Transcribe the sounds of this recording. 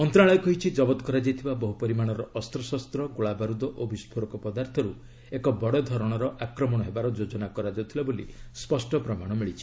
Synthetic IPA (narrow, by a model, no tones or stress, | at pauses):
ɔnt̪ɾaɭɔjɔkɔɦit͡ʃʰid͡ʒɔbɔt̪ɔkɔɾad͡ʒajt̪ʰibabɔɦupɔɾimaɽ̃ɔɾɔʔɔst̪ɾɔsɔst̪ɾɔɡoɭabaɾud̪ɔʔobispʰoɾɔkɔpɔd̪aɾt̪ʰɔɾu | ekɔbɔɽɔd̪ʱɔɾɔɽ̃ɔɾɔʔakɾɔmɔɽ̃ɔɦebaɾɔd͡ʒod͡ʒɔnakɔɾad͡ʒawt̪ʰilabolḭspɔsʈɔpɾɔmaɽ̃ɔmiɭit͡ʃʰi̥